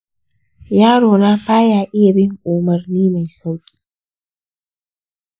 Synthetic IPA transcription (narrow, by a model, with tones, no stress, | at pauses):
jaː˦ɽoː˨naː˦ɸaː˦jaː˨ʔɪ˦ja˨bɪ˦ŋʔuː˨mɐ˨rniː˦ma˨jsa˦wkʲʼi̥ː˦